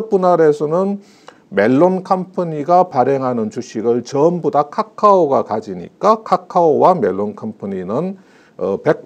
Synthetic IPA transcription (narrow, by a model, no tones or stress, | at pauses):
p͈unaɾe̞sʰʌnɯn | me̞ɭːonkʰampʰɯɲiɡapaɾeŋɦanɯnt͡ɕuɕʰiɡɯɭt͡ɕʌmbodakʰakʰaoɡakad͡ʑiɲḭk͈akʰakʰaowame̞ɭːonkʰampʰɯɲinɯn | ʌpe̞k̚